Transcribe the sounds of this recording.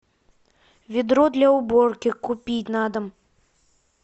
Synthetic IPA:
vʲid̪ɾɔd̪lʲɐubɔrkʲikupʲit͡sʲnad̪ɐm

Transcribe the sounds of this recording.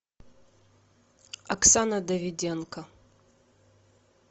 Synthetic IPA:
ɐksanɐd̪ɐvʲɪdʲenkɐ

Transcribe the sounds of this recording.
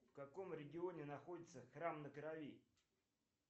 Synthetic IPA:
fkɐko̞mɾʲɪɡʲɪonʲɪnɐxo̞dʲɪt̪səxrɾamnəkəɾɐvʲi

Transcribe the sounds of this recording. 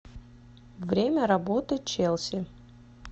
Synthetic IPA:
vɾʲemʲəɾɐbot̪ɨt͡ɕelˠsʲɪ

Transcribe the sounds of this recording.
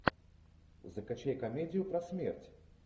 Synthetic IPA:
zɐkat͡ʃʲɛjkamʲɛd̪ʲijupɾɐsʲmʲɛrt͡sʲ

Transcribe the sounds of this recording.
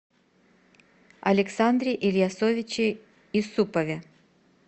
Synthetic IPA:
ɐ̰lʲɪksand̪ɾʲɪʔilʲjasovʲɪt͡ɕɪ | isupɐvʲɛ

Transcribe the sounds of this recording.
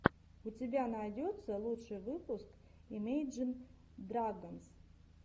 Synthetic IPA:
utʲebʲanajdʲo̞t̪sːɐlˠuʂɨjvɨpuskimejd͡ʒɨn | d̪raɡans

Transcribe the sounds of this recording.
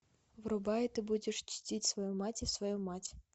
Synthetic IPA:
vɾʊbajɪt̪ɨbudʲɪʂt͡ʃʲtʲitʲsvɐjumatʲisvɐjumatʲ

